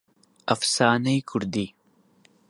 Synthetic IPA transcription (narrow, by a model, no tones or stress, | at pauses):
ɐfsaːnɐjkʰuɾd̪i